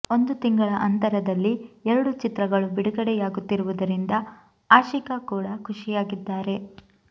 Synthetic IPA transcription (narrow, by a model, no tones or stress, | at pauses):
o̞nd̪ut̪iŋɡɐɭɐʔɐnt̪ɐɾɐd̪ɐlːiɛɾɐɽut͡ʃit̪ɾɐɡɐɭubiɽuɡɐɽɛjaːɡut̪ːiɾuʋud̪ɐɾind̪ɐ | aːʃikɐkuːɽɐkʰuʂijaːɡid̪ːaːɾe̞